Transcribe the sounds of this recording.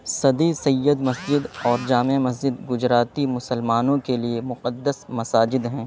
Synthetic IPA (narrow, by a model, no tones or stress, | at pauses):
sɐd̪isɐjːəd̪mɐsd͡ʒɪd̪ɔːɾd͡ʒaːmemɐs̬d͡ʒɪd̪ɡʊd͡ʒɾaːt̪imʊsəlmaːnõkeliemʊqəd̪ːəsmɐsaːd͡ʒɪd̪ɦɛ̃ː